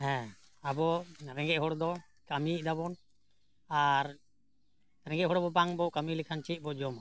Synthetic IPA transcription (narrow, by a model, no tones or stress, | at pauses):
ɦɛ̃abɔɾɛ̃ŋɡɛʔɦɔɽd̪ɔ | kamid̪aβɔn | aɾ | ɾɛŋɡɛɦɔɽabɔbaŋbɔkamilikʰant͡ʃit̚ˀbɔd͡ʒɔm